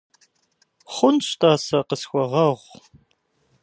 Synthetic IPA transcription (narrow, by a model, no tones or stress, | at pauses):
χʷʊnɕtʰaːsɐqəsxʷɔʁɐʁʷ